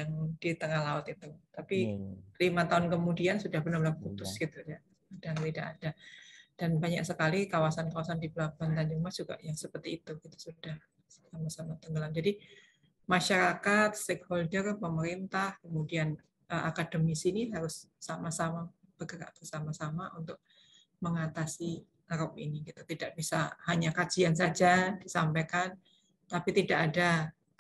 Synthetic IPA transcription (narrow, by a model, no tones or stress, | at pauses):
jaŋd̥it̪əŋahlaʊt̪it̪ut̪apilimat̪aɦʊnkəmudiansudahbənərləhkut̪ʊsɡ̥it̪uja | ad̥aŋt̪idaʔadad̥anbaɲa̰ʔsəkalikawasankawasandibəlabant̪aɲd͡ʒuŋmad͡ʒuɡa̰ʔjaŋsəpərt̪iːt̪uɡit̪u̥sud̥ah | samasamat̪əŋɡəlamd͡ʒadi | maʃaɾakat̪̚st̪ekholdərpəməɾint̪ahkəmudian | ʔəʔakadəmisiniɦaɾʊsːamasamab̥əɡəɾa̰ʔb̥ərsamasamaʔunt̪ʊk̚ | məŋat̪asi | əɾɔp̚ḭniɡit̪ut̪idaʔbisa̰haɲakad͡ʒians̬ad͡ʒadisampekan | t̪apit̪idaʔada